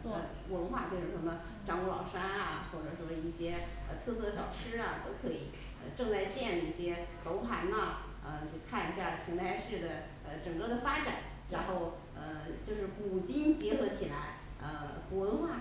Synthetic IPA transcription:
t͡swɔ˥˩ | wə˧˥nxwa˥˩twe˥˩ɪʈ͡ʂə˧˥ʂə˧˥mə˧ | ʈ͡ʂɑ˧˥ŋu˧˥wɑ˨˩ŋʂa˥nɐ˩xwo˥˩ʈ͡ʂɤ˨˩ʂwɔ˥˧i˥˩ɕjɛ˥ə̰˧t̪ʰɤ˥˧sɤ˥˩ɕjɑ˨˩ʊʂʰɻ̩˥ɐ˨t̪o˥ʊkʰɤ˧˥i˨˩˦ | ə̰˧ʈ͡ʂɤ˥˧ŋt͡sa˥˧ɪt͡ɕjɛ˥˩nlə˧i˥˩ɕjɛ˥ko˧˥ʊpʰa˧˥nnə˧ | ə˧t͡ɕjo˥˧ʊkʰa˥˩ni˧˥ɕja˥˩t͡ɕʰi˧˥ŋt̪ʰa˥˧ɪʂɻ̩˥˩d̪ə˩ | ə˧ʈ͡ʂɤ˨˩ŋkɤ˥˩d̪ə˩fa˥ʈ͡ʂa˨˩˦n | ɻa˧˥nxo˥˩ʊ | ə˧t͡ɕjo˥˧ʊʂɻ̩˥˩pu˨˩t͡ɕi˥nt͡ɕjɛ˧˥xɤ˧˥t͡ɕʰi˨˩la˧˥ɪ | ə˧ku˧˩wə˧˥nxwa˥˩

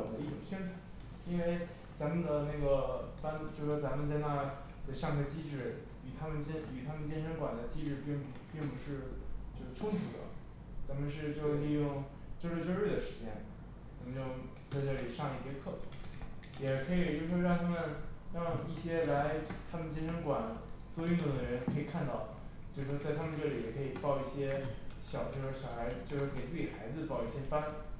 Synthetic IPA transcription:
d̪ə˦i˥˩ʈ͡ʂʊ̰˨˩ŋɕɛ˥nʈ͡ʂʰu˨˩˦ | i˥nwe˥˩ɪ | t͡sa˧˥nmə˨nd̪ə˨na˥˩ɪɡə˩pa˥nt͡ɕjo˥˩ʂɔ˥˩t͡sa˧˥mə˨nt͡sa˥˧ɪna˥˧ | d̪ə˨˩ʂjɑ˥˧ŋʰɛ˥˩t͡ɕi˥ʈ͡ʂɻ̩˥˩ | y˨˩t̪ʰa˥mə˨nt͡ɕɛ˥ny˨˩t̪ʰa˥mə˨nt͡ɕjɛ˥˩nʂʰə˧˥ŋkwa̰˨˩nd̪ə˦t͡ɕi˥ʈ͡ʂɻ̩˥˧pi˥˩ŋpi˥˩ŋpu˧˥ʂɻ̩˥˧t͡ɕjo˥˧ʊ˥˩ʈ͡ʂʰʊ˥ŋt̪ʰu˧˥d̪ə̰˧˦ | t͡sa˧˥nmə˧˨nʂ̬ɻ̩˥˧t͡ɕjo˥˧˥li˥˧jʊ˥˩ŋ | t͡ɕo˥˧ʈ͡ʂɻe˥˧ʈ͡ʂo˥˧ʊɻe˥˩ɪə˩ʂɻ̩˧˥t͡ɕjɛ̰˥n | t͡sa˧˥mə˧nt͡ɕjo˥˧ʊ | t͡sa˥˧ɪʈ͡ʂɤ˥˩li˨˩ʂɑ˥˧ŋi˥˩t͡ɕjɛ˥kʰɤ˥˩ | jɛ˨˩kʰɤ˧˥i˨˩t͡ɕo˥˧ʊʂɔ˥˧ɻɑ˥˧ŋt̪ʰa˥mə˨nji˥˩ɕjɛ˥la˧˥ɪt̪ʰa˥mə˨nt͡ɕi˥nʂʰɤ˧˥ŋkwa˨˩nt͡swɔ˥˧y˥˧nt̪ʊ˥˩ŋd̪ə˩ɻə˧˥nkʰɤ˧˥i˨˩kʰa˥˧nt̪ɑ˥˩ʊt͡ɕjo˥˧˩ʂɻ̩˥˩ʂwɔ˥t͡sa˥˧ɪa˥mə˨nʈ͡ʂɤ˥˩li˧˥jɛ˨˩kʰɤ˧˥i˨˩t̪ɑ˥˧ʊi˥˩ɕjɛ˥ɕjɑ˨˩ʊt͡ɕjo˥˧ʂɻ̩˥˩ɕjɑ˨˩xa˧˥ɪʂ̩˧˩t͡ɕjo˥˧ʊʂɻ̩˥˩ke˨˩t͡sɹ̩˥˩t͡ɕi˨˩xa˧˥ɪd͡zɹ̩˧t̪ɑ˥˧ʊi˥˩ɕjɛ˥fa˥n

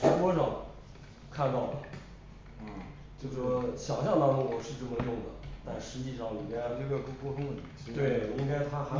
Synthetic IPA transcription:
ɛ˥kwɔ˥ʂɑ˥˩ŋ | kʰa˥˧nt̪ɑ˥˩ʊlə˨˩ | n̩˥˩ | t͡ɕjo˥˩ʊʂɔ˥ɕjɑ˨˩ʊɕjɑ˥ŋna˥mu˥˩wɔ˨˩ʂɻ̩˥˧ʈ͡ʂɤ˥˩mə˩jʊ˥˩ŋd̪ə˩t̪a˥˩nʂɻ̩˧˥t͡ɕi˥˧ʂɑ˥˩ŋni˨˩mɛ˥t͡ɕo˥˧˩kkwɔ˥˧t̪ʰʊ˥ŋd̪ə˨˩n˨˩˨t̪we˥˩ɪ˨i˥ŋka˥ɪt̪ʰa˥a˧˥

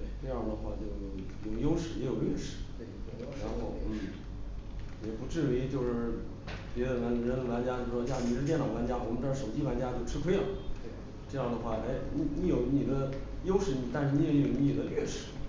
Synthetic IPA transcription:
t̪we˥˩ɪʈ͡ʂɤ˥˧jɑ˥˩d̪ə˩xwa˥˧˩t͡ɕjo˥˩ʊjo˧˩ʊ˩jʊ˥˩ŋjo˥ʊʂɻ̩˥˩jɛ˧˥jo˨˩ʊlɥɛ˥˩ʂɻ̩̥˥˩˦ | ɻa˧˥nxo˥˧ʊn̩˥˩ | jɛ˨˩pu˧˥ʈ͡ʂɻ̩˥˩we˧˥ɪt͡ɕjo˥˧ʊʂɻ̩˥˩ | pjɛ˧˥d̪ə˧la˧˥nɻə˧˥nə˧la˧˥nt͡ɕja˥t͡ɕo˥˩˧ʂɔ˥t͡ɕja˥ni˧˩ʂɻ̩˥t̪jɛ˥˩nlɑ˨˩ʊla˧˥nt͡ɕja˥wɔ˨˩mə˦˥ʈ͡ʂʂo˨˩ʊt͡ɕi˥wa˧˥nt͡ɕja˥t͡ɕjo˥˩ʊʈ͡ʂʰɻ̩˥kʰwe˥lə˨˩ | ʈ͡ʂɤ˥˧jɑ˥˩ŋd̪ə˩xwa˥˩e˥ɪni˧˥ni˧˥jo˨˧˩ʊni˨˩d̪ə˦jo˥ʊʂɻ̩˧˥˩ni˨˩t̪a˥˧nʂɻ̩˥˧ni˧˥˧jo˨˩˥ni˨˩d̪ə˦lɥɛ˥˩ʂɻ̩˥˧˩

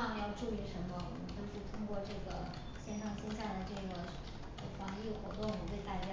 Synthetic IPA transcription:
ɑ˥˩˧m˧˩jɑ˥˧ʊʈ͡ʂu˥˩i˧˥ʂə˧˥nmə˧wɔ̰˨˩mə˦nt͡ɕjo˥˧ʊʂɻ̩˥˩t̪ʰʊ˥ŋkwɔ˥˧ʈ͡ʂɤ˥˩ɡə˩ | ɕjɛ˥˧nʂʰɑ˥˩ŋɕɛ˥nɕja˥˩d̪ə˩ʈ͡ʂɤ˥˩ɡə˩ | xwɑ˧˥ŋi˥˩xwɔ˧˥t̪ʊ˥˩ŋwɔ˨˩mə˦nt̪we˥˩ɪk̪a˥˩ɪt͡ɕɛ˧˥

